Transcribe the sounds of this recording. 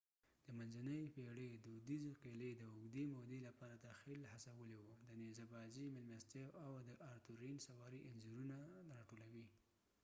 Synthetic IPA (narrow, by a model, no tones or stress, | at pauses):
d̪̥əmanzanəjpeɽed̪ud̪izeqeled̪əʊɡd̪emod̪elapɑɾad̪axilhasawəlewud̪ənezabɑzimɪlmast̪ewawd̪əʔaɾt̪uɾinsawɑɾiʔɪnzuɾunaɾɑʈolawi